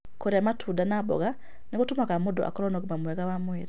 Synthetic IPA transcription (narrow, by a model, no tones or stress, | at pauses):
koɾamatʰudanabɔ̰ɡa | nikutumakamudo̰ʔa̰kɔɾonokumamweɡawamwiːɾi